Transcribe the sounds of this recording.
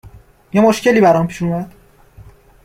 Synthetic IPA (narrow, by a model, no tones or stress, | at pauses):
jemoʃceliːbæɾɒmpʰiːʃomæd̪̥